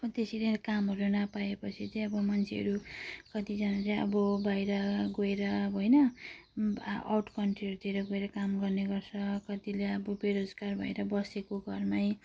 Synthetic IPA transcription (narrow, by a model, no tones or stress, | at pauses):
ʌbʌt̪esilekamɦʌɾunʌpaepʌt͡sʰit͡sʌĩʌbʌmʌnt͡sʰeɦʌ̰ɾukʌt̪id͡zʌnat͡saj̃ʌ̰bʌbajɾʌɡoeɾʌbɦojnʌ | a̰wʈkʌɳʈriʌɾut̪ʰiɾʌɡoeɾʌkamɡʌrneɡʌrt͡sʰʌkʌt̪ileʌbʌbeɾod͡zɡarbʱʌ̰jɾʌbʌsekoɡʱʌrmaj